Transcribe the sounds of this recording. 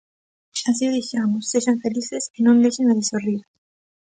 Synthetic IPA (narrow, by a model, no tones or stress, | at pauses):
as̬ioðixamosːeʒaɱfelisesenõnd̪eʃenaðesoriɾ